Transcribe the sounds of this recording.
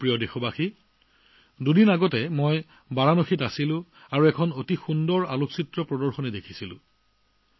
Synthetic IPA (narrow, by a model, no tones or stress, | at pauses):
pɹijɔdexɔbaxi | dudinaɡɔtɛmoj | baɹanoxʰitasilʊ̃ | aɹuɛkʰɔnotixundɔɹaloksitɹɔpɹɔdɔɹxɔnɛdekʰi̥silʊ̰̃